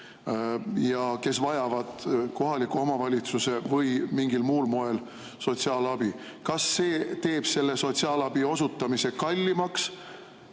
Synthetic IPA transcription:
jɑke̞svɑjɑvɑd̪̥ko̞ɦɑlikːuo̞mɑvɑlʲit̪suse̞vɤjmiŋɡilmuːlmo̞e̞l | so̞t̪siɑːlɑb̥i | kɑsːe̞ːt̪e̞ːb̥se̞lːe̞so̞t̪siɑːlɑb̥io̞sut̪ːˑɑmise̞kɑlʲːimɑks

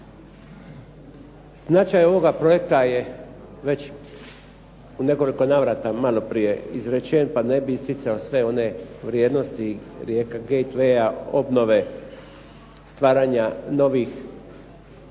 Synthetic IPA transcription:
znat͡ʃajo̞ʋo̞ɡapɾo̞je̞k̚t̪aje | ʋe̞t͡ɕ | une̞ko̞liko̞naʋɾat̪amalo̞pɾije̞izɾet͡ʃenpane̞biist̪it̪sao̞sʋe̞o̞ne̞ʋɾjeːd̪no̞st̪iɾjeːkaɡejt̪ʋejao̞̰bno̞ʋe̞ | st̪ʋaːɾaɲano̞ʋix

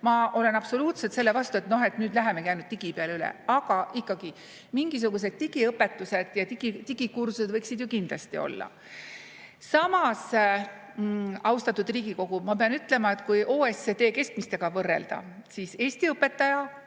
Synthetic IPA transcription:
mɑʔo̞le̞nɑb̥so̞luːt̪se̞t̪se̞lːe̞vɑst̪ue̞t̪no̞he̞t̪nyːd̪̥læɦemekæjnud̪̥̚t̪iɡ̥ipeɑlylḛɑɡ̥ɑʔikːɑɡ̥i | miŋɡ̥is̬uɡ̥us̬e̞d̪̥̚t̪iɡ̥iɤpːˑe̞t̪ːˑuse̞d̪̥jɑiɡit̪iɡ̥ikursuse̥vɤjksid̪jukind̪̥lɑ̰st̪io̞̰lːɑ̰ | sɑmɑs | ɑwst̪ɑt̪ːud̪riːɡ̥iko̞ɡ̥umɑpeɑnyt̪ˑle̞mɑe̞t̪kujʔo̞ːeset̪e̞ːke̞st̪mist̪e̞ɡ̥ɑvɤrːe̞̰ld̪ɑ̰siːse̞ːsʲt̪iɤpːe̞t̪ːɑjɑ

